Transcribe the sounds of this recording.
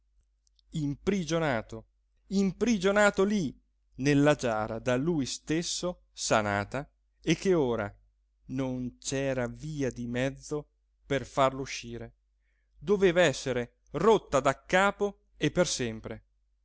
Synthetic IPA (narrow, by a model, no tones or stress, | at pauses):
impɾid͡ʒonaːt̪o | impɾid͡ʒonaːt̪oli | nelːad͡ʒaːɾad̪alujst̪esːo | sana̰ːt̪a | ekːeoːɾa̰ | nont͡ʃɛːɾaviːad̪imɛd̪zːo | perfarlouʃːiːɾe | d̪oveːvaɛsːeɾe | rot̪ːad̪akːaːpo | epːersɛmpɾe